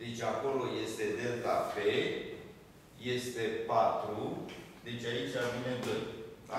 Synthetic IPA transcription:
d̪e̞t͡ʃʲako̞lo̞je̞st̪e̞d̪elt̪afe | je̞st̪e̞pat̪ɾud̪e̞t͡ʃʲait͡ʃʲavine̞vən

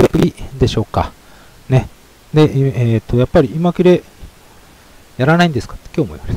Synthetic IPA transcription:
kʲid̪e̞ɕo̞ːka̰ | ne̞ | d̪e̞eːt̪ːo̞japːaɾʲiimakʲiɾe̞ | jaɾanaĩnd̪e̞sɨ̥kḁt̪ːe̥kʲo̞ːmoiβaset̪

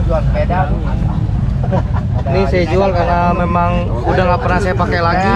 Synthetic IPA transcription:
d͡ʒualspedalu | nisajad͡ʒualkarnamemaŋ | udahŋapərnahsajapakelaɡi

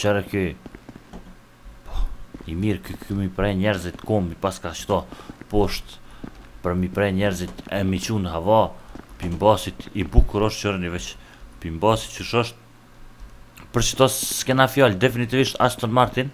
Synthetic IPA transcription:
t͡ʃɛɾɛky | pɔimiɾkkʰymipɾɛɲɛɾzit̪kɔmbipaskat͡ʃt̪ɔpɔʃt̪pəɾmipɾɛɲɛɾzit̪ɛmit͡ɕunɦavɔpimbasit̪ibukuɾɔʃt̪t͡ʃɔɾɛnivɛt͡ʃ | pimbasi̥t̪t͡ʃəʃɔʃt̪̚ | pəɾt͡ʃə̥t̪ɔskɛnafjald̪ɛfinit̪iviʃt̪ast̪ɔnmaɾt̪in

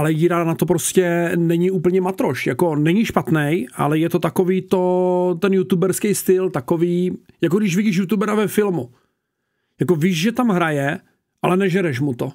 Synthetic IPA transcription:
ʔalɛjiːɾanat̪opɾoscɛnɛɲɪuːpl̩ɲɛmat̪ɾo̞ʃjakonɛɲɪʃpat̪nɛjʔa̰lɛjɛt̪o̞t̪akoviːt̪ot̪ɛnjut̪ubɛɾskɛjst̪ɪlt̪akoviːjakoɡdɪʃvɪɟɪʃ̬jut̪ubɛɾavɛfɪlmu | jako̞viːʒʒɛt̪amɦɾajɛ | ʔalɛnɛʒɛɾɛʃmut̪o

